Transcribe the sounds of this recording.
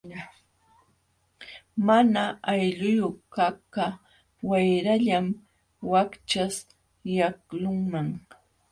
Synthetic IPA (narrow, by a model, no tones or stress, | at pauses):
manaajʎʊjoχkaka | wajɾaʎam | wakt͡ʃas | jaklʊŋmaŋ